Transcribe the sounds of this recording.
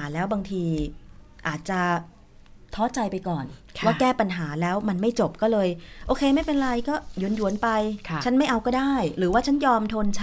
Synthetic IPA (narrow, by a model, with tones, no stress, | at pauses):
aː˩˦lɛː˦˥wbaː˧ŋt̪ʰiː˧ | ʔaː˨˩t̪̚t͡ɕa˨˩ | t̪ʰɔː˦˥t͡ɕa˧jpa˧jkɔː˨˩nkʰwaː˥˩kɛː˥˩pa˧nɦaː˩˦lɛː˦˥wma˧nma˥˩jt͡ɕo˨˩p̚kɔː˥˩lɤː˧jʔoː˧kʰeː˧ma˥˩jpe˧nɾa˧jkɔː˥˩ju˨˩˦nju˨˩˦npa˧jʰt͡ɕʰa˦˥nma˥˩jʔa˧wkɔː˥˩daː˥˩jɾɯː˩˦waː˥˩t͡ɕʰa˦˥njɔː˧mt̪ʰo˧nt͡ɕʰa˦˥